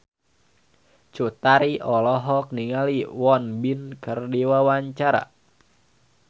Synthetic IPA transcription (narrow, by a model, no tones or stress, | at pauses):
t͡ʃut̪aɾiʔɔlɔɦɔk̚niŋaliwɔnbinkərdiwawaɲt͡ʃaɾa̰